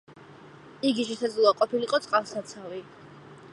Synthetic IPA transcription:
iɡiʃɛʃad̪zlˠɔaqʼɔpʰiliqʼɔt̪sʼqʼalˠsat̪sʰavi

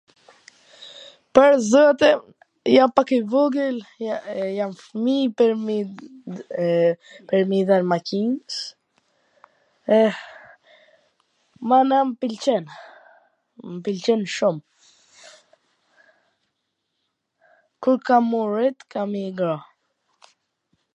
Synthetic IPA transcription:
pəɾzɔat̪ɛ | jampakivuɡəl | jamfmip | pɛɾmiðanmakins | ɛ | manampilt͡ʃɛn | mpilt͡ʃɛnʃum | kuɾkamurit̪kʰamiɡɾɔ

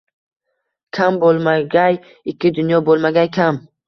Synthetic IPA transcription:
kʲʰambolˠmaɡʲaj | ɪkʲʰːɪd̪ʊnjɒbolˠmaɡʲajkʰʲam

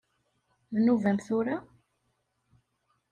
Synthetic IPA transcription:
ðnuvæmθʊɾa

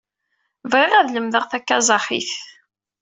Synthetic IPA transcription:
vʁɪʁæðləmðəʁθækːæzˤɑχḭθ

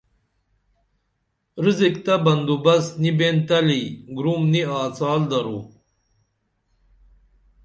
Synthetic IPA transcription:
ɾizikt̪abɐnd̪ubɐsnibent̪ɐliɡɾumniaːt͡saːld̪ɐɾu

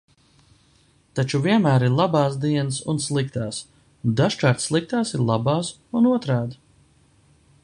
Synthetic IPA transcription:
t̪at͡ʃuviɛnmæːɾiɾlˠabɑːsd̪iɛnəsṵnslˠikt̪aːs | d̪aʃkaːɾt̪slˠik̚t̪aːsiɾlˠabaːs | unuɔt̪ɾaːd̪

